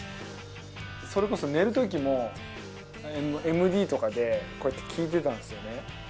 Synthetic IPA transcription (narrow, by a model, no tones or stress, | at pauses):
so̞ɾe̞ko̞so̞ne̞ɾɯ̟t̪o̞k̬ʲimo̞ | me̞mɯ̟d̪ʲiːt̪o̞kad̪e̞ko̞et̪ːe̞̥kʲʰiːt̪̬e̞t̪ãnd̪sɨjo̞ne̞